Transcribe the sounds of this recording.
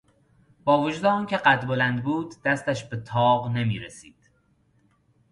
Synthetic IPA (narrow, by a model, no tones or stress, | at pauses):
b̥ɒːvod͡ʒuːd̪eɒːncʲʰe̞ɢæt̪bolænd̪buːd̪ːæst̪æʃbet̪ʰɒːɢnemiːɾesiːd̪̥